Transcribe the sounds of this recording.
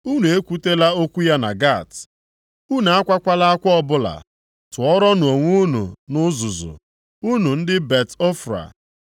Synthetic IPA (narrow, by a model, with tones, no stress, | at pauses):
u˦nu˨e˦kʷu˦te˦la˦o˦kʷu˦ja˦na̰˨ɡa˦˨t | u˦n˨a˦kʷa˦kʷa˦la˦a˦kʷɔ˦ɔ˦˨bʊ˦la̰˨ | tʊ˨ɔ˦ɾɔ˦nʊ˨o˨ŋʷu˦nṵ˨nʊ˦zʊ˨zʊ̰˨ | u˦nu˨n̩˦dɪ˦be˨tɔ˦fɾa̰˨